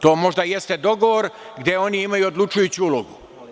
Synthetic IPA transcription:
t̪o̞ːmo̞ʒd̪aje̞st̪e̞d̪o̞ɡoʋoɾ | ɡd̪ʲjeo̞niimajuod̪lˠut͡ʃujut͡ɕuuloɡu

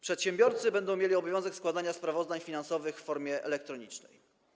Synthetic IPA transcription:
pʂɛt̪ɕɛmbʲjɔɾt̪sɘbɛnd̪ɔ̃w̃mʲjelʲiɔbɔvʲɔ̃w̃zɛkskwad̪aɲaspɾavɔzd̪aɲfʲinansɔvɘxfːɔɾmʲjɛʔɛ̰lɛk̚t̪ɾɔɲit͡ʂnɛ̰j

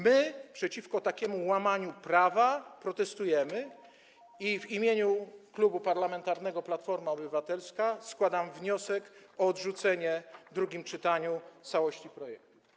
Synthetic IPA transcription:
mɘpʂɛt͡ɕifkɔt̪akʲɛmuwamaɲupɾavapɾɔt̪ɛst̪ujɛmɘ | ivimʲjeɲuklubupaɾlamɛnt̪aɾnɛɡɔplat̪fɔɾmaɔbɘvat̪ɛlskaskwad̪amvɲɔsɛkɔɔd̪ʐut̪sɛɲɛd̪ɾuɡʲimt͡ʂɘt̪aɲut̪sawɔɕt͡ɕipɾɔjɛk̚t̪u

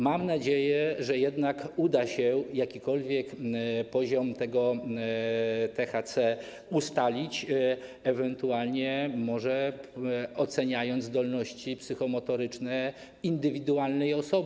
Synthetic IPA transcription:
mamnad͡ʑejɛʐɛjɛd̪nakud̪aɕɛjakʲikɔlvʲjɛkpɔʑɔmt̪ɛɡɔ | t̪ɛxat̪sɛ | ust̪alʲit͡ɕ | ɛvɛnt̪ualɲɛmɔʐɛ | ɔt̪sɛɲajɔnd̪zd̪ɔlnɔɕt͡ɕipsɘxɔmɔt̪ɔɾɘt͡ʂnɛ | ind̪ɘvʲid̪ualnɛjɔsɔb

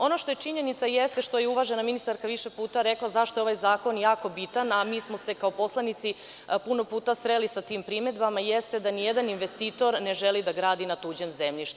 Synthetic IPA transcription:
o̞no̞ʃt̪o̞jet͡ʃiɲe̞nit̪sajest̪eʃt̪o̞jeuʋaʒenaminist̪aɾkaʋiʃe̞puːt̪aɾe̞klˠazaʃt̪oeo̞ʋajzaːko̞njaːko̞bit̪anamiːsmo̞se̞kao̞po̞slˠanit̪si | puno̞puːt̪ast̪ɾelisat̪iːmpɾime̞d̪bamajest̪e̞d̪anijed̪aninʋest̪iːt̪o̞ɾneʒelid̪aɡɾaːd̪inat̪uːd͡ʑemzemʎiʃt̪u

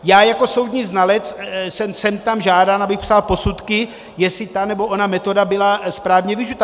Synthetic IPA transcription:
jaːjako̞so̞wd̪ɲiːznalɛt͡ssɛmsɛmt̪amʒaːdanabɪxpsalpo̞sut̪kɪ | jɛsɪt̪anɛbo̞ʔonamɛt̪o̞dabɪlaspɾaːvɲɛvɪʒut̪a

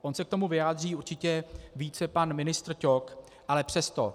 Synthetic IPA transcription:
ʔo̞nsɛk̚t̪o̞muvɪjaːd̪riːuɾt͡ʃɪcɛviːt͡sɛpanmɪnɪst̪rco̞k | ʔalɛpr̥ɛst̪o̰

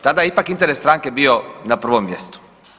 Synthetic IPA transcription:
t̪ad̪ajeipakint̪eɾest̪ɾaːŋkebionapr̩ʋomːjest̪u̥

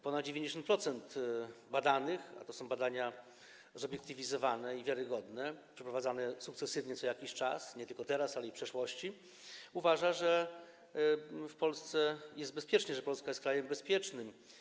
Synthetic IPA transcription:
pɔnad̪̚d͡ʑevʲjeɲd͡ʑeɕ̬ɔnt̪̚pɾɔt̪sɛnt̪bad̪anɘxa̰t̪ɔsɔ̃w̃bad̪aɲa | zɔbʲjɛkt̪ɘvʲizɔvanɛivʲjaɾɘɡɔd̪nɛpʂɛpɾɔvad̪zanɛsukt̪sɛsɘvɲɛt̪sɔjakʲiɕt͡ʂasɲɛt̪ɘlkɔt̪ɛɾasalɛipʂɛʂwɔɕt͡ɕi | uvaʐaʐɛ | fpɔlst̪sɛjɛst̪bɛspʲjɛt͡ʂɲɛʐɛpɔlskajɛst̪kɾajɛmbɛspʲjɛt͡ʂnɘm

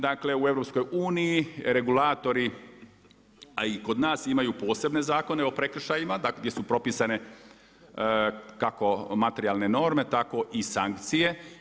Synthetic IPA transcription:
d̪akle̞ue̞vɾo̞psko̞juːnijiɾe̞ɡulaːt̪o̞ɾi | aiko̞d̪naːsimajupo̞ːse̞bne̞zaːko̞ne̞o̞pɾe̞kr̩ʃajimad̪aɡ̪djesupɾo̞pisane̞ | kako̞mat̪eɾijalˠne̞no̞ɾme̞t̪ako̞ʔisaŋkt̪sije̞

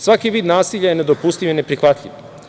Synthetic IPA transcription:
sʋakiʋiːd̪naːsiʎajene̞d̪opust̪ivinepɾixʋat̪ʎʲḭʋ

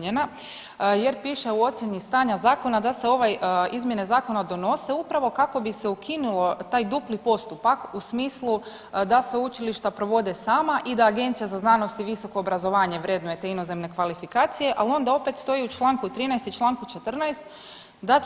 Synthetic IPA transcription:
ɲena | je̞ɾpiːʃeuo̞t̪sjeɲist̪aːɲazaːko̞nad̪ase̞o̞ʋajizmje̞ne̞zaːko̞nad̪o̞no̞se̞upɾaʋo̞kako̞bise̞ukʰinulˠo̞t̪aːjd̪uplipo̞st̪upakusmiːslˠu | d̪aseut͡ʃiliʃt̪apɾo̞ʋo̞d̪esaːmaʔid̪aːɡe̞nt̪sijazaznaːno̞st̪iʋiso̞ko̞ːbɾazo̞ʋaːɲe̞ʋɾe̞d̪noet̪e̞ino̞ze̞mne̞kʋalifikaːt̪sije̞ʔalio̞nd̪ao̞pe̞t̪st̪o̞iut͡ʃlˠaːŋkut̪ɾiːnajst̪it͡ʃlˠaːŋkut͡ʃe̞t̪r̩najst̪ | d̪a

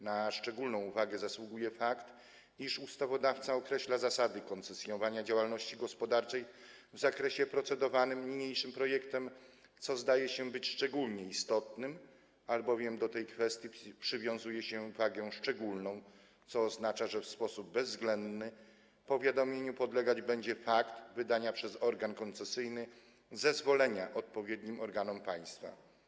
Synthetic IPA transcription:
naʂt͡ʂɛɡulnɔ̃w̃uvaɡɛzaswuɡujɛfakt̪ | iʂust̪avɔd̪aft̪saɔkɾɛɕlazasad̪ɘkɔnt̪sɛsjɔnvaɲad͡ʑawalnɔɕt͡ɕiɡɔspɔd̪aɾt͡ʂɛj | vzakɾɛɕɛpɾɔt̪sɛd̪ɔvanɘmɲiɲejʂɘmpɾɔjɛkt̪ɛm | t̪sɔzd̪ajɛɕɛbɘt͡ɕʂt͡ʂɛɡulɲɛist̪ɔt̪nɘm | albɔvʲjɛmd̪ɔt̪ɛjkfɛst̪ʲjipʂɘvʲjɔ̃w̃zujɛɕɛvaɡɛ̃ʂt͡ʂɛɡulnɔ̃w̃ | t̪sɔːznat͡ʂaʐɛfspɔsub̚bɛzzɡlɛnd̪nɘ | pɔvʲjad̪ɔmʲjeɲupɔd̪lɛɡad͡ʑbɛɲd͡ʑɛfakt̪vɘd̪aɲapʂɛzɔɾɡankɔnt̪sɛsɘjnɘ | zɛzvɔlɛɲaʔɔt̪̚pɔvʲjed̪ɲimɔɾɡanɔmpaj̃st̪fa̰

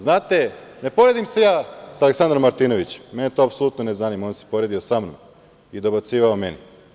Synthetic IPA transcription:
znaːt̪e̞ne̞po̞ɾed̪imse̞jaːsaleksand̪ɾomːaɾt̪ino̞ʋit͡ɕe̥mːenet̪oːapsoluːt̪none̞zaniːmaonse̥po̞ɾed̪iosamnom | id̪o̞bat̪siːʋaome̞ni

